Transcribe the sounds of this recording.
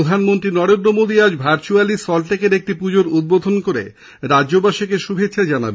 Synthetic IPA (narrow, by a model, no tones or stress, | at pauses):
od̪ʱanmont̪ɾinɔɾend̪ɾomod̪ʱiad͡ʑbʱaɾt͡ɕualisɔlʈekeɾek̚ʈipud͡ʑoɾud̪̚bod̪ʱonkoɾḛ | ɾadobaʃikeʃubʱet̪ːɕʰad͡ʑana̰be